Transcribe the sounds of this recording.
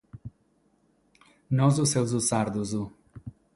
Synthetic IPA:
nɔzusewzusaɾd̪uzu

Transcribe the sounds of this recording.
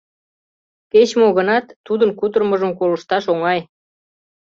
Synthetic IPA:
ket͡ɕmoɣənɑt̪ːud̪ənkut̪ərməʒəmkolə̆ʃt̪ɑʃoŋɑj

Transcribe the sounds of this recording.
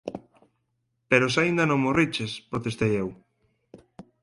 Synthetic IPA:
peɾos̬aind̪ɐnõŋmorit͡ʃespɾot̪est̪ejew

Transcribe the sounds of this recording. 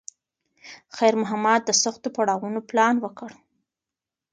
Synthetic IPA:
xajɾmʊɦamad̪̚d̪əsʊxt̪opaɽɑwunoplɑnwəkəɽ

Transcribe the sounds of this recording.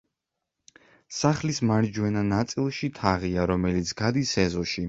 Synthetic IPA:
saχlismaɾd͡ʒwɛnanat̪sʼilˠʃit̪ʰaʁiaɾɔmɛlit̪sʰɡ̥ad̪isɛzɔʃi

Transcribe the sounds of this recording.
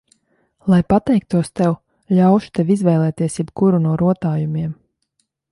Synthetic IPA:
lˠajpat̪ɛjk̚t̪uɔst̪ew | ʎawʃu̥t̪evizvɛjlˠɛːt̪iɛsjɛpkuɾunuɔɾuɔt̪aːjumiɛm

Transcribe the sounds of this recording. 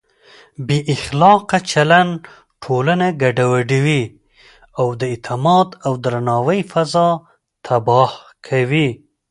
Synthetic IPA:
beʔɪxlɑqat͡ʃalan | ʈʰolanaɡaɖawaɖiwi | awd̪əɪt̪ʰɪmɑd̪awd̪ɾanɑwəjfazɑ | t̪ʰabɑhkʰawi

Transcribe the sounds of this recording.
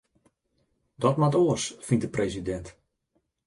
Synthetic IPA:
dɔtmatoəsfindəprejzidɛnt

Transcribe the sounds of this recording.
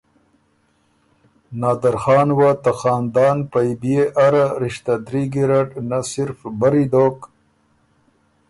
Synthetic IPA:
nɑːd̪aɾxɑːnwat̪axɑːnd̪ɑːnpajbijeʔaɾaɾiʃt̪ad̪ɾiɡiɾaʈnasiɾfbaɾid̪oːk

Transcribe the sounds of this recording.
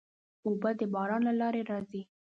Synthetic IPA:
obəd̪əbɑɾɑnlalɑɾeɾɑzi

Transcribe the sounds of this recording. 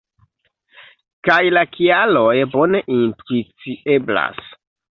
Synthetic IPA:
kajlakialo̞jbo̞ne̞ʔintɾut͡sie̞bla̰s

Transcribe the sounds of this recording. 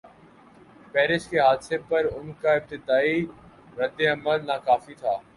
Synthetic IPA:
pɛːɾɪʃkeɦaːd̪sepɐɾʊnkaɪb̚t̪ɪd̪aːi | ɾəd̪ːeɐməlnakaːfit̪ʰaː

